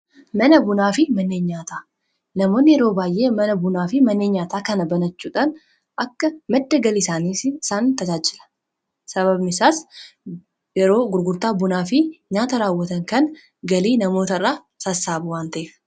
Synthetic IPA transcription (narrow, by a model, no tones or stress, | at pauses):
mɐnɐbʊnaːfɪmɐnːeːnɲaːt̪aː | nɐmo̞ːnːɪjɛɾo̞ːbaːjʔe̞ːmɐnɐbʊnaːfɪmɐnːeːɲɲaːt̪aːkɐnɐbɐnɐt͡ʃːuːᶑɐn | ʔɐkːɐmɐd̪ːɐɡɐlɪsaːniːsɪsaːnt̪ɐd͡ʒaːd͡ʒɪ̥lɐ̥ | sɐβɐbnɪsaːs | jɛɾo̞ːɡʊɾɡʊɾt̪aːbʊnaːfɪɲaːt̪ɐɾaːwːɐt̪ɐŋkɐn | ɡɐliːnɐmo̞ːt̪ɐrːaː | sɐsːaːbʊwaːnt̪ɐʔeːf